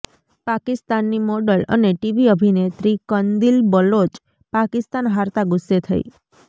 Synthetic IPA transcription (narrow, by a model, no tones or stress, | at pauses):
pakɪst̪anːimɔɖələ̰neʈiʋiəbʱinet̪ɾikənd̪ilbəlot͡ʃ | pakɪst̪anɦaɾt̪aɡʊsːet̪ʰə̰ḭ